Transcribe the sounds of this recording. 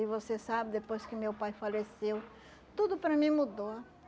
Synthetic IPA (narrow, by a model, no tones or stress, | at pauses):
ɪvosesabɪd̪epojskɪʊmewpajfalesew | t̪ud̪ʊpɾɐmĩmud̪o